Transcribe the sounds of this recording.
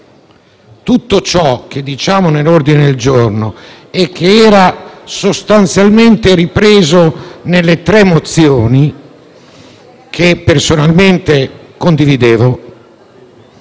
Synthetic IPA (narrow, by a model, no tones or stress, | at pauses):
t̪ut̪ːot͡ʃɔk̟ed̪ːit͡ʃaːmonelord̪ined̪eld͡ʒorno | ɛk̟ːeɛːɾasost̪ant̪sjalment̪eɾipɾeːzonelːet̪ɾɛmot̪sjoːni | kʰepːersonalment̪ekond̪ivid̪eːvo